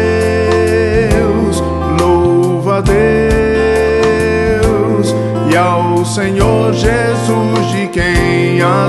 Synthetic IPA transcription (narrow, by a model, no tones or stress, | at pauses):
ws | no | vɐd̪e | ws | iawsẽɲoɾʒe | zu | zd͡ʒɪkẽ | a